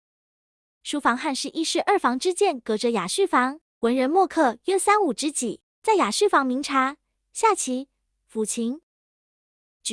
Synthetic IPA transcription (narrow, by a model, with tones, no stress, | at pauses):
ʂu˧˥fɑ˧˥ŋxa˥˧nʂɻ̩˥˧ʔi˥˧ʂɻ̩˥˧ʔə˞˥˩fɑ˧˥ŋʈ͡ʂɻ̩˥t͡ɕjɛ˥˩nkɤ˧˥ʈ͡ʂə˧˥ja˨˩ʂɻ̩˥˩fɑ˧˥ŋ | wə˧˥nɻə˧˥nmwɔ˥˧kʰɤ˥˩ɥɛ˥sa˥nu˨˩ʈ͡ʂɻ̩˥t͡ɕi˨˩˦ | t͡sa˥˩ɪja˨˩ʂɻ̩˥˩fɑ˧˥ŋmi˧˥ŋʈ͡ʂʰa˧˥ | ɕja˥˩t͡ɕʰi˧˥ | fu˨˩t͡ɕʰi˧˥ŋ | t͡ɕ